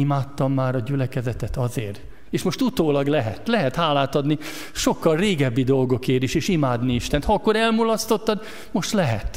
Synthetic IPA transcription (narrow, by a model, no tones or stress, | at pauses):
imaːt̪ːɒmːaːɾɒɟylɛkɛzɛt̪ɛt̪ɒzeːr | eːʃmo̞ʃt̪ut̪oːlɒɡlɛɦɛt̪lɛɦɛt̪haːlaːt̪ɒd̪ni | ʃo̞kːɒlreːɡɛbːid̪o̞lɡo̞keːɾiʃeːʃimaːd̪niiʃt̪ɛnt̪hɒɒkːo̞ɾɛlmulɒst̪o̞t̪ːɒd̪ | mo̞ʃt̪lɛɦɛt̪